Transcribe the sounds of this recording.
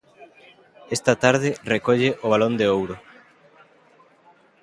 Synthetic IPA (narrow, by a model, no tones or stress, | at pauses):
est̪ɐt̪aɾð̞ɪrekoʎeʔoβalond̪eowɾʊ